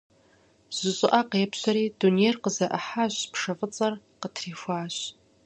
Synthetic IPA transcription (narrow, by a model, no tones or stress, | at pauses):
z̥ɨɕʼɪʔaqepʰɕʷaɾiːdunerqəzɐʔaħaʒʷpʰʂɐfʼɨt͡sʼɐr | qətʰrifʷaːɕ